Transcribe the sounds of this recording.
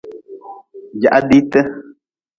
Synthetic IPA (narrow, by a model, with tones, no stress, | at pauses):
d͡ʒa˨ʔa˦di˦tə˦